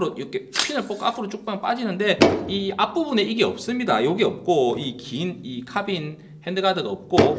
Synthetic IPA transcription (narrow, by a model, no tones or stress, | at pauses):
ɾoɾokʰepʰinɯɭp͈okapʰɯɾot͡ɕ͈ok̚p͈anp͈ad͡ʑinɯnde̞iap͈ubune̞iɡiʌp̚s͈ɯmɲidajoɡiʌp̚k͈oikinikʰabin | he̞ndɯɡadɯɡaʌp̚k͈o